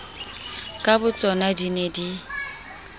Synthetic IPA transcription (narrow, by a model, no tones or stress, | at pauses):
kʼabʊt͡sʼɔnadinedi